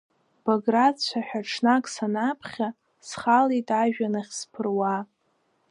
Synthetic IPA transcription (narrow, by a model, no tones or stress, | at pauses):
b̥oɡrat͡ɕʷʰaħᶣaʈ͡ʂʰnakʼsanapʰχʲa | sχalitʼaʒᶣanaχʲspʰɨrwa